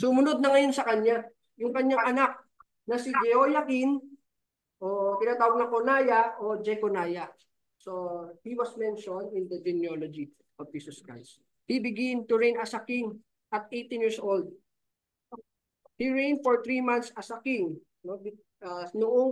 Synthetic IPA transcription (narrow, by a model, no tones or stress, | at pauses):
sʊmʊnod̪̚nɐŋɐjo̞nsɐkɐɲːa | jʊŋkɐɲːaŋʔɐnak̚ | nɐsid͡ʒɛojɐkɪn | ʔokɪnaːt̪aːwɐɡ̚lɐŋkonaːjɐʔod͡ʒɛkonaːjɐ | sohiwɐsmɛnʃond̪ɪnd̪ɐd͡ʒɪnjolod͡ʒi | ʔofd̪isʊskɹa̰js | hibɪɡɪnt̪ʊɹejnɐsakɪŋ | ʔɐt̪̚ejt̪ɪnjiɹsʔold̪̚ | hiɹẽjnd̪̚foɹt̪ɹimãnt̪sʔɐsakɪŋ | nobɪ | anʊʔoŋ